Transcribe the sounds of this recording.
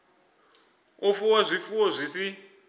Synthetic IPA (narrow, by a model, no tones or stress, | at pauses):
ofuwazʷifuɔzʷisi